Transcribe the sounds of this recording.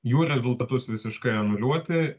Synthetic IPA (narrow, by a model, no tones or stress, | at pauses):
juːɾʲɛzʊlˠt̪ɐt̪ʊsʋʲɪsʲɪʃkɐɪɐnʊlʲuɔt̪ʲɪ